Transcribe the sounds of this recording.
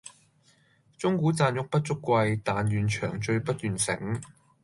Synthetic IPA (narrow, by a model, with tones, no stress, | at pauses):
t͡sʊ˥ŋkuː˨˥t͡saː˧njʊ˨˥k̚pɐ˥t̚t͡ʃʊ˥kʷːwɐ˧jt̪aː˨njyː˨nt͡ʃʰœː˨˩ŋt͡ʃɵ˧ɥpɐ˥t̚t̪yː˨nsɪ̰˨˥ŋ